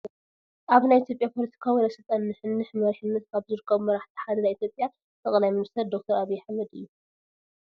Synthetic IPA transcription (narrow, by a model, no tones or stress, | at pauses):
ʔaβnajit̪ʰjo̞pʼjapʰo̞lɐt̪ʰi̥kʰawilɐsɨlt̪ʼɐnːɨħɨnːɨħmɐɾɨħinːɐt̪̚kʰaβzɨɾɨkʰːɐβmɐɾaħt̪ʰi̥ħad̪ɐlajit̪ʰjopʼja | t̪ʰɐχʼlajmɨnist̪ʰɐɾd̪ok̚t̪ʰɐɾaβijːɛħamɐd̪ɨ̰jːu